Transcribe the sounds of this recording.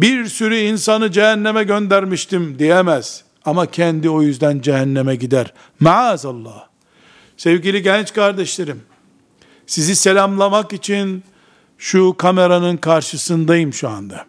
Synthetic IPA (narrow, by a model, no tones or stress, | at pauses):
biɾsyɾyinsanɯd͡ʒeɦɛnːemɛɟø̞nd̪æɾmiʃt̪imd̪ijɛmɛz̥ | amacʰɛnd̪io̞jyzd̪ænd͡ʒɛɦɛnːɛmɛɟid̪æɾ | maʕazalˠːɑːh | sɛvɟilʲiɟɛnt͡ʃkaɾd̪ɛʃlʲe̞ɾim | sizise̞lʲamlˠamakit͡ʃʰin | ʃukʰame̞ɾanɯnkʰaɾʃɯsɯnd̪ajɯmʃua̰nd̪a